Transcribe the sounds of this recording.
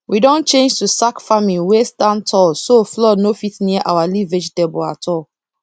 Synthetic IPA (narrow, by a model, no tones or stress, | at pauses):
widɔ̃nt͡ʃẽnd͡ʒtusakfamĩwestãntʰɔlsoflɔnofitniaʔawalived͡ʒdɛbɔa̰tʰɔl